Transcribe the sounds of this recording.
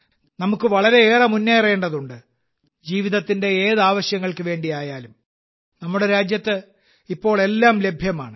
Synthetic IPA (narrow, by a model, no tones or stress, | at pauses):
nɐmukːɨʋɐɭɐɾe̞eːrɐmunːere̞ːɳɖɐðuɳɖɨ | d͡ʑiːʋiðɐt̪ːinde̞eːðaːʋɐɕjɐŋːɐɭkɨʋe̞ːɳɖiaːjaːlum | nɐmːuɽe̞ɾaːd͡ʑjɐt̪ːɨ | ipːo̞ːɭe̞lːaːmle̞bʱjɐma̰ːɳɨ